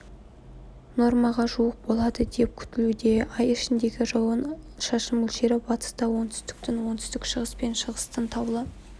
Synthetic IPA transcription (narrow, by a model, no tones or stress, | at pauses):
no̞ɾmɑʁɑʒuəq̚bo̞lˠɑd̪əd̪e̞p̚kʲʰʏ̥t̪ɪlud̪e̞ɑjɪʃɪnd̪e̞ɡʲɪʒɑwənʃɑʃəmɵlʃe̞ɾɪbɑt̪ə̥sd̪ɑwont̪ʰʏ̥zt̪ɪ̥k̚t̪ʰɪnwo̞nt̪ʰʏ̥zt̪ɪkʃəʁəspe̞nʃəʁəst̪ənt̪ʰɑblˠə